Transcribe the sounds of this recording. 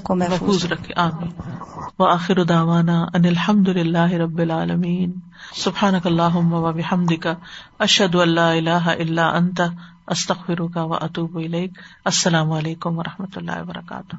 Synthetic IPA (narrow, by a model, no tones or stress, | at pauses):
mɐfuːzɾɐkʰeʔaːmiːnʋɐʔaːxɪɾʊd̪aːʋaːnaːʔɐnɪlħɐmd̪ʊlɪlːaːɦɪɾɐbːɪlʕaːlɐmiːn | sʊbħaːnɐkɐlːaːɦʊmːɐʋɐbɪħɐmd̪ɪkaɐʃhɐd̪ʊɐlːaːɪlaːɦaʔɪlːaːʔɐnt̪a | ʔɐst̪ɐɣfɪɾʊkaʋɐ̰ʔɐt̪uːbɪleːkɐsːɐlaːmʊɐleːkʊmʋɐɾˤʔɐhmɐt̪ʊlːa̰ːhɪbɐɾɐ̰ka̰ːt̪ʊh